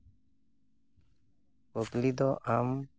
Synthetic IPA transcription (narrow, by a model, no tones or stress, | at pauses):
oklid̪ɔʔam